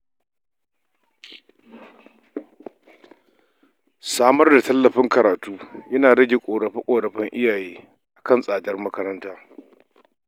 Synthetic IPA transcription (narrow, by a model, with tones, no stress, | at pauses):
saː˦mɐ˦rda˨tɐ˦lːɐ˨ɸɪ˦ŋkɐ˨ɾaː˨tuː˦jɐ˦naː˨ɽɐ˦ɡʲe˨kʷʼoː˨ɽɐ˨ɸɪ˦kʷʼoː˨ɾɐ˨ɸɪ˦ŋʔɪ˦jaː˨jeː˦ | ʔʔa˨kɐ˦˨nsʼaː˨dɐ˦rmɐ˦kɐ˦ɾɐ˦ntaː˦